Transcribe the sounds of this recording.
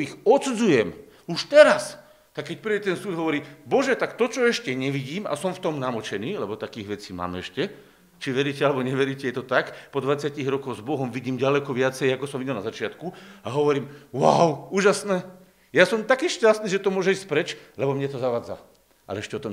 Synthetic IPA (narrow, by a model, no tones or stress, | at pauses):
ixɔtt͡sud͡zujɛm | uʃt̪ɛɾas | t̪akːɛc̚pɾiːɟɛt̪ɛnsuːd̪ɦɔʋɔɾiːbɔʒɛt̪akt̪ɔt͡ʃɔɛʃcɛɲɛʋiɟiːma̰sɔmft̪ɔmnamɔt͡ʃɛniːlɛbɔt̪akiːɣʋɛt͡siːma̰ːmɛʃcɛ | t͡ʃiʋɛɾiːcɛalɛbɔɲɛʋɛɾiːcɛjɛt̪ɔt̪akpɔd̪ʋat͡sɪaciɣɾɔkɔɣzbɔɦɔmʋiɟiːmɟalɛkɔʋɪat͡sɛjakɔsɔmʋiɟɛlna̰zat͡ʃɪat̪kuaɦɔʋɔɾiːmwawʊuːʒasnɛː | jasɔmt̪akiːʃcast̪niːʒɛt̪ɔmʊɔʒɛiscpɾɛt͡ʃlɛbɔmɲɛt̪ɔzaʋaːd͡za̰ | a̰lɛɛʃcɛɔt̪ɔm